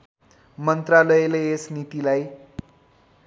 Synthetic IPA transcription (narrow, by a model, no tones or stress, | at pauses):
mʌnt̪ralʌjeleesnit̪ilaj